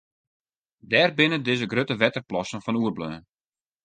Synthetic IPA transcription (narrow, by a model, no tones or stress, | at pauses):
dɛːrbɪnədɪzəɡrøtəʋɛtərplɔsənfɔnuərbløː